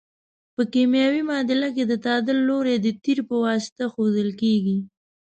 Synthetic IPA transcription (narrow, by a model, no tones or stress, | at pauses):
pəkimjɑwimɑd̪ɪlak̬ed̪ət̪ɑd̪ɪlːoɾed̪ət̪iɾpəwɑsɪ̥t̪axod̪əlkeɡi